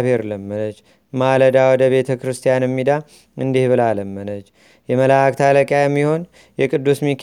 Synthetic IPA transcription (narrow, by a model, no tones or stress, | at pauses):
βheɾləmːənət͡ʃː | maləd̪awɔd̪əβe̞t̪ʰəkɾɨst̪ʰijanɛmːid̪a | ɨnd̪ihβɨlaləmːənət͡ʃː | jɛməlakt̪ʰaləkʼjajɛmːiho̞n | jɛkʼɨd̪ːusmikʰ